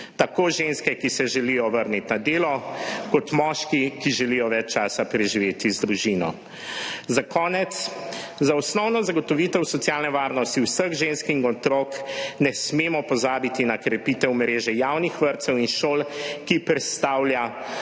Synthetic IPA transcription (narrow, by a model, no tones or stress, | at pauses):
t̪akoːʒenskɛkisɛʒɛlijɔʋəɾnit̪nad̪eːlɔkɔt̪mɔːʃkikiʒɛlijɔʋɛt͡ʃt͡ʃaːsapɾɛʒiʋeːt̪izd̪ɾuʒinɔ̰ | zakʰɔːnɛt̪szaɔsnɔwnɔzaɡɔt̪ɔʋit̪ɛwsɔtsjaːlnɛʋaːɾnɔst̪iwsəɣʒenskinɔt̪ɾoknɛsmeːmɔpɔzaːbit̪inakɾɛpit̪ɛwmɾeːʒɛjawnixʋəɾt̪sɛwinʃoːlkipɾɛt̪st̪aːwlja